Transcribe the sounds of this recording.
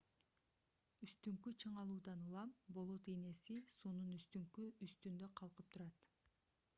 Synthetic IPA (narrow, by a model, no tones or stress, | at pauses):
yst̪yŋkyt͡ʃʰɯɴɑlˠuːd̪ɑnulˠɑmbo̞lˠot̪ene̞sisuːnunyst̪yŋkyyst̪ynd̪ø̞qʰɑlˠqɯp̚t̪ʰuɾɑt̪